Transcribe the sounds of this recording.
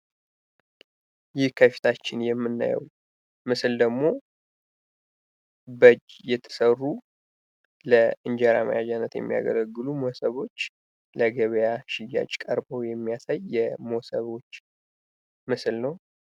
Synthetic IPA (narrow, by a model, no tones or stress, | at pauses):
jɪhkʰəfi̥t̪ʰat͡ʃːɪnjɛmːɨnːa̰jɛ̰w | mɨsɨld̪əɡmo̞ | bəd͡ʒjɛt̪ʰːə̥sərːu | ləʔɨnd͡ʒaɾamə̰jad͡ʒanːət̪jɛ̰mːija̰ɡə̰ləɡːɨlumosəβo̞t͡ʃː | ləɡəβjaʃɪjːa̰t͡ʃʼkʼəɾbəwjɛmːijasajːɛmosəβo̞t͡ʃː | mɨslnəw